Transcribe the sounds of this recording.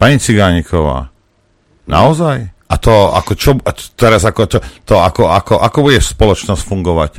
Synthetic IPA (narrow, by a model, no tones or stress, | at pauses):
paɲit͡siɡaːɲikʰɔʋa̰ː | na̰ɔzaj | at̪ɔa̰kɔt͡ʃɔt̪ɛɾazakɔt͡ʃɔt̪ɔakɔakɔʔakɔbuɟɛspɔlɔt͡ʃnɔscfuŋɡɔʋac